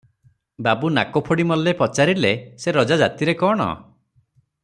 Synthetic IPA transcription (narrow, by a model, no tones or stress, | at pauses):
babunakopʰɔɽimɔlepɔt͡ʃaɾileseɾɔd͡ʒad͡ʒat̪iɾekɔɽ̃ɔ̰